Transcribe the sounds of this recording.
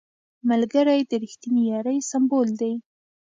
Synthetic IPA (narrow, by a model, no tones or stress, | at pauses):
malɡaɾajd̪əɾixt̪inijɑɾəjsambold̪aj